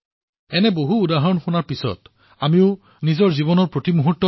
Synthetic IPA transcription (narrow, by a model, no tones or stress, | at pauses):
ɛnɛboɦuːdaɦaɹɔnxunaɹpisɔ̰t | amiʊ | nizɔɹzibɔnɔɹpɹotimuɦutːɔ